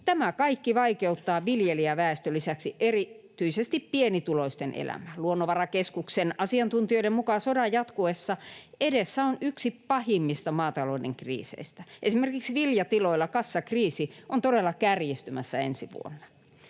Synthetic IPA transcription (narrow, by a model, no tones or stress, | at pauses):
t̪æmækɑikːiʋɑikeut̪ːɑːʋiljeliæʋæest̪ølisæksiʔeri | t̪yisest̪ippienit̪uloist̪enʔḛlæ̰mæluonːoʋɑrɑkeskuksenɑsiɑnt̪unt̪ioiɾemmukɑsodɑjɑt̪kuesːɑedesːæonyksipɑhimːist̪ɑmɑːt̪ɑloidḛŋkrḭːsḛist̪æʔesimerkiksiʋiljɑt̪iloilːˑɑkɑsːɑkriːsiʔont̪oɾelːɑkærjist̪ymæsːæḛnsiʋṵo̰nːɑ̥